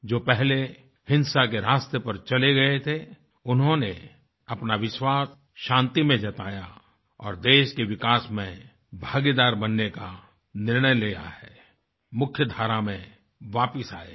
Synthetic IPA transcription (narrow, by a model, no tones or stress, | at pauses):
d͡ʒoːpɛɦle | hɪ̃nsak̬eɾaːst̪əpɐɾt͡ʃɐleɡɐet̪ʰe | ʊnɦõne | ɐpnaʋɪʃwaːs | ʃãːnt̪imẽd͡ʒɐt̪aːja | ɔ̰ːɾd̪eːʃkeʋɪkaːsmẽ | bʱaːɡed̪aːɾbɐnːeka | nɪɾɳ̃əjleja̰ɦɛː | mʊkʰjəd̪ʱaːɾamẽ | ʋaːpəsaːḛ